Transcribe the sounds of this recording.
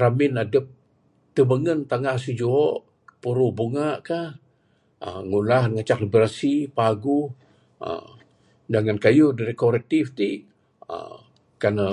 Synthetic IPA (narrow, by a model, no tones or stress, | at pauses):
ɾamɪnadəp̚ | t̪əbəŋənt̪aŋahsid͡ʒuɔʔ | puɾuhbuŋaʔkah | ə̰ŋulahŋat͡ʃaklibɾasipaɡu | ə̰ | d͡ʒaŋankajuhdaɾikoɾɛk̚t̪ift̪iʔ | ə̰ | kanə